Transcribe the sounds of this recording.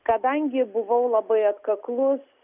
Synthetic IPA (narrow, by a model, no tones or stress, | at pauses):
kɐd̪ɐŋʲɡʲɪbʊʋɐʊlˠɐbɐɪɐt̪kɐklˠʊs